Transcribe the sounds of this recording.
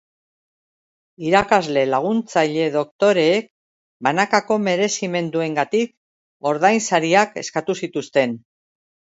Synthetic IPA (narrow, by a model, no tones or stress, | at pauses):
iɾakazle̞laɣ̞unt͡saʎe̞ðo̞kt̪o̞ɾe̞ːk̚ | banakako̞me̞ɾe̞sime̞nd̪ue̞ŋɡat̪ik | o̞ɾðajnsaɾiake̞̰skat̪usit̪ust̪e̞n